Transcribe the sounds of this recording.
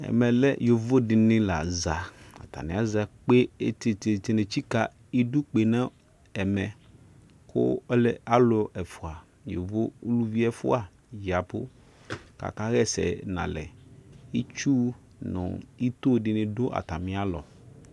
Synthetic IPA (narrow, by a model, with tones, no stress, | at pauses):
ɛ̰˨mɛ˨lɛ˦jo˨vo˦dɪ˨nɪ̃˦la˨za˨a̰˨t̪a̰˨nɪ̃˨a˦za˨k͡pe˦te˨te˨t̪e˨ne˨t͡ɕi˦ka˨ | i˦du˦k͡pe˨nã˦ | ɛ˨mɛ˨ | kʊ̰˦lɛ˨a˦lʊ˨ɛ˨fʊ˨a˨ | jo˨vo˦u˦lu˦vi˦ɛ˨fʊ̰˦a˨ | ja˨pʊ̰˦ | ka̰˨ka˦ɣɛ˦sɛ̰˨nã̰˨lɛ̰˨i˦t͡ʃu˦ | nʊ̰̃˨i˦t̪o˦˨dɪ˨nɪ̃˦dʊ˦ʔa̰˨t̪a˨mɪ̃˨a˦lɔ̰˨